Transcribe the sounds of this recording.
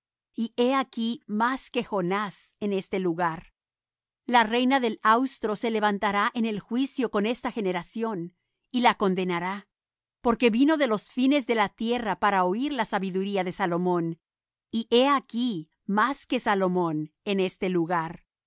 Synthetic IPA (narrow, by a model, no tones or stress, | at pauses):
ie̞akimaske̞xo̞nase̞ne̞st̪e̞luɣaɾ | lare̞jnaðe̞lawst̪ɾo̞se̞le̞βant̪aɾaʔene̞lxwisjo̞ko̞ne̞st̪axe̞ne̞ɾasjo̞n | ilako̞nd̪e̞naɾa | po̞ɾke̞βino̞ðe̞lo̞sfine̞zðe̞lat̪je̞rapaɾaoiɾlasaβiðuɾiaðe̞salo̞mõ̞n | iʔe̞aki | maske̞salo̞mo̞ne̞ne̞st̪eluɣaɾ